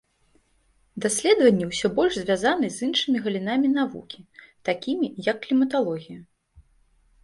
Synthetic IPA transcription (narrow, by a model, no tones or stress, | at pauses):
d̪asʲlʲɛd̪vɐnʲːɛwsʲɔbɔlʲʐzʲvʲazanɨzʲɨnʂɨmʲiɣɐlʲinamʲin̪avṵkʲit̪akʲimʲijɐkːlʲimɐt̪alˠɔɣʲiju